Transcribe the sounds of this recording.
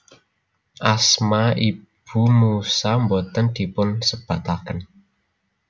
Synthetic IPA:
ʔasmaib̥ṳmusambɔt̪ənd̪̥i̤pʊnsəb̥a̤t̪akən

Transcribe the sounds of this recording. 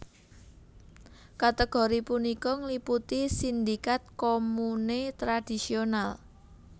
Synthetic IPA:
kat̪əɡ̥o̤ɾipunikɔŋliput̪isind̪ikat̪̚komunet̪ɾad̥i̤sional

